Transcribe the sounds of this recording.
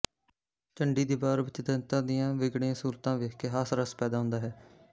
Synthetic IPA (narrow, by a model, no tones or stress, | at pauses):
t͡ʃəɳɖiːd̪iːbaːɾʋɪt͡ʃd̪ənt̪ãːd̪ɪjãːʋɪɡɽijãːsuːɾt̪ãːʋeːkeːɦaːsɾəspɛːd̪aːɦʊ̃nd̪aːɦɛː